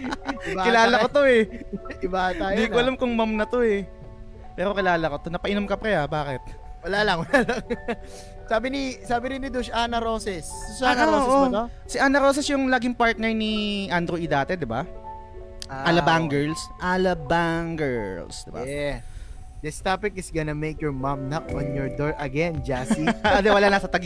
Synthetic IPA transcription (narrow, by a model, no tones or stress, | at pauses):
ɪlaːlɐkot̪oɛɪbat̪anjd̪iːkoʔɐlamkʊŋmɐmnɐt̪o̞ɛ | pɛːɾo̞kɪlaːlɐkot̪onɐpɐʔɪnomkɐpɾɛɐbaːkɪt̪̚wɐlaːlɐŋwɐlaːlɐŋ | saːbɪnisaːbɪɾɪnːɪd̪uʃʔanɐɾoːsɛssanaooːʔot̪o | sɪʔaːnɐɾoːs̬ɛsjʊŋlaɡɪŋpaɹt̪̚nɛɹniʔand̪ɾʊʔɪd̪aːt̪ɛd̪ɪba | ʔaʔalɐbaŋɡɛɹlsʔalɐbaŋɡɛɹlsd̪ɪba̰ɛ | d̪ɪst̪apɪkɪsɡɐnɐmekjɔɹmɐmnɐk̚ɔ̰̃njɔɹd̪ɔɹʔɐɡɛnd͡ʒasiɐd̪ɛwɐlanasɐt̪ɐɡ